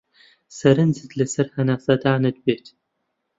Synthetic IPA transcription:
sɐɾɨnzɨdlɐsɐrħɐnasɐdaːnɐd̪beːtʰ

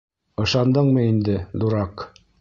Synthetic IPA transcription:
ɤ̆ʃɑnd̪ɤɴmɤind̪ɘd̪uɾɑq

